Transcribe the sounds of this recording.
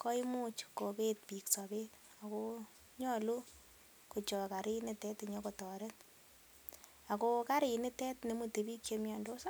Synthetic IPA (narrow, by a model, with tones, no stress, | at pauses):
kʰɔ˦i˦mu˦t͡ʃko˨be˦t̚pi˨ksa˨be˦t | a˨ko | ɲɔ˦lu˦ | ko˨t͡ʃɔ˨ka˨ɾɪ˦ne˨tɛ˦tɲɔ˦kɔ˨tɔ˨ɾe˦t | a˨ko˧ka˦ɾɪ˨ne˦tɛ˦tne˨mu˨te˨bi˦kje˧mja˧ndo˦sa˦